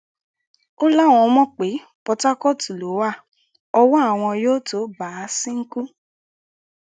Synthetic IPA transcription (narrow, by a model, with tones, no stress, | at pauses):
o˦la˦˨w̃ɔ̃˧˦mɔ̃˦k͡pe˨˦ | pɔ˧ta˦kɔ˦ti˨lo˨˦wa˦˨ | ɔ˧wɔ˦a˦˨w̃ɔ̃˧joː˦to˨˦ba˨˦˧sĩ˦ŋ̩˦ku˦